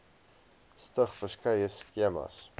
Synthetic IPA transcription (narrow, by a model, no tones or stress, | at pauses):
stəχfəskɐjəskiəmɐ̰s